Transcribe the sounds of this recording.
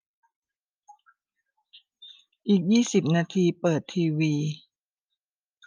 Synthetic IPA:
ʔiː˨˩k̚jiː˥˩si˨˩p̚naː˧t̪ʰiː˧pɤː˨˩t̪ʰːiː˧wiː˧

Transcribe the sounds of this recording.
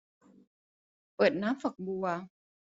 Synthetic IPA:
ʔəː˨˩t̪̚naː˨˦˥mfə˨˩k̚bu˧˩a˧

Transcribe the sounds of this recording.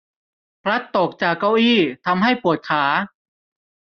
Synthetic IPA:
pʰɾa˦˥t̪ːo˨˩k̚t͡ɕaː˨˩kːa˥˩wʔiː˥˩t̪ʰa˧mɦa˥˩jpu˨˩ət̪̚kʰaː˩˦

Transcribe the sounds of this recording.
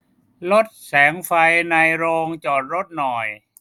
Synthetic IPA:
lo˦˥t̪̚sɛː˩˦ŋfa˧jna˧jɾoː˧ŋt͡ɕɔː˨˩t̪̚ɾo˦˥t̪̚nɔ˨˩j

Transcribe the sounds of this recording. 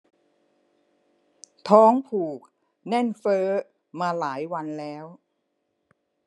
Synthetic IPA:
t̪ʰɔː˦˥ŋpʰuː˨˩k̚ | nɛ˥˩nfɤː˦˥ | maː˧laː˩˦jwa˧nlɛː˦˥w

